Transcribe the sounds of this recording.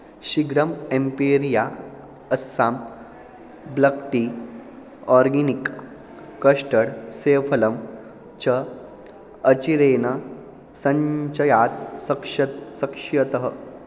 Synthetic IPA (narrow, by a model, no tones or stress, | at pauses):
ɕiɡɾəmempiɾija | əsːam | bləkʈ̪i | ɔɾɡinikː | əʂʈəɽseːpʰələm | t͡ɕəː | t͡ɕiɾeːnɐ | sɐɲt͡ɕɐjat̪sɐkʂɐsɐkʂjɐt̪əɦə